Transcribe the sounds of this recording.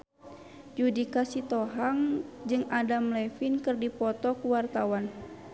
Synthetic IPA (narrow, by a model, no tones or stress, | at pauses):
d͡ʒudikasit̪ɔɦaŋd͡ʒɨŋadamlɛfinkɨrdipɔt̪ɔkuwart̪awan